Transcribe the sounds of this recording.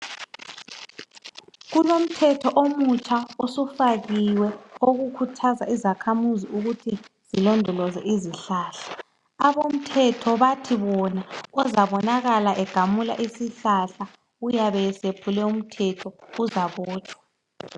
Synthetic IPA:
ɣunom̩tʰɛtʰɔʔomut͡ʃʰʼaosufaɣiwɛoɣukʰutʰazaizakʰamuziuɣutʰi | z̥ilɔndʱɔlɔzɛ̰ʔiziɬaːɬḁː | βom̩tʰɛtʰɔβatʰiβɔnaɔzaβɔnaɣalaʔɛɡ̥ʱamula̰ʔisiɬaɬa | ujaβɛsepʰulɛum̩tʰɛtʰɔuzaβɔːt͡ʃʰʼwa

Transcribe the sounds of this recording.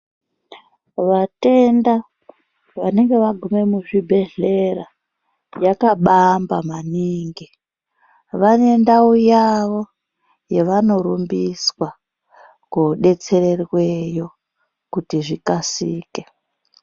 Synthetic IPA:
ʋate̞nda | ʋane̞ŋɡe̞ʋaɡʱume̞muʐibʱe̞ɮe̞ra | jakaɓambamaniːŋɡi | ʋane̞ndaujaʋo̞ | jeʋano̞ɾumbiswa | kuɗe̞t͡se̞re̞rwe̞jo̞ | kutiʐikasiːke

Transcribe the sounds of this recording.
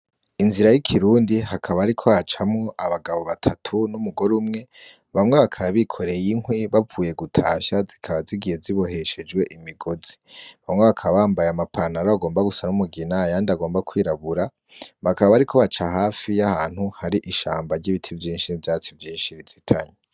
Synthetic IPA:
inziɾajikʰiɾuːndihakʰaβaɾikʰo̞βat͡ʃamŋoʔaβaɡaβo̞βatʰatʰunumuɡo̞ɾumŋe̞ | βamŋe̞βakʰaβaβikʰo̞ɾejiŋhwiβavuːje̞ɡutʰaːʃazikʰaβaziɡiheziβo̞he̞ʃe̞d͡ʒwe̞ʔimiɡo̞zi̥βamŋeβakʰaβaβaːmbajamapʰanaɾaβaɡoːmbaɡusanumuɡinajaːndaɡo̞ːmbakʰwiːɾaβuɾa | βakaβaβaɾikʰo̞βat͡ʃaɦaːfijahaːn̥huhaɾiʔiʃaːmbaɾɟiβitʰivjiːnʃinivjaːt͡sivjiːnʃiɾizitʰaɲe

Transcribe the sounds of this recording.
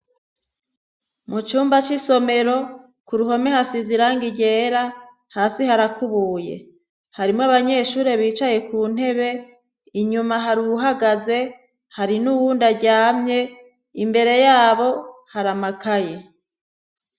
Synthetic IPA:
mut͡ʃuːmbat͡ʃiso̞me̞ɾo̞ | kuɾuɦo̞mehasiziɾaŋɡiɟe̞ːɾa | haːsihaɾakuβuːje̞̰ | haɾimŋaβaɲe̞ːʃuːɾe̞βiːt͡ʃaje̞kuːn̥e̞βe̞ | iɲumaɦaɾuuɦaɡaze̞ | haɾinuwuːndaɟaːmɲe̞ | imbe̞ɾe̞jaːβo̞haɾamakʰaje̞

